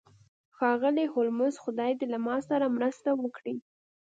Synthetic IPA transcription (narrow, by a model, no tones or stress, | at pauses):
xɑɣəlihʊlmʊzxʊd̪ɑjd̪elamɑsaɾamɾəst̪awəkɽi